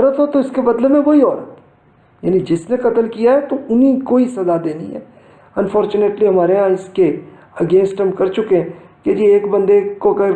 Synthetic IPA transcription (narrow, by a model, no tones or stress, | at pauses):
ɔːɾət̪ɦot̪oɪskebɐd̪ləbmẽʋoːiɔːɾət̪ | ja̰ːnid͡ʒɪsneqɐt̪əlkijaɦɛt̪oʊnĩkoːisɐzad̪eːnḭ̃ɦɛ̰ː | ɐnfɔːɾt͡ʃʊneʈliɦɐmaːɾejãɪske | ɐɡẽːnsʈɦɐmkɐɾt͡ʃʊkeɦɛ̃ | ked͡ʒieːkbɐ̃nd̪ekoɡəɾ